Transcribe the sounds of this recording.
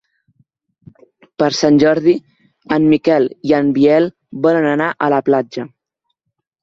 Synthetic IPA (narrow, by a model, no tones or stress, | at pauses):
pəɾsanʲʒɔɾði | əmːikɛliəmbiɛl | βɔlənənaʔələplad͡ʒə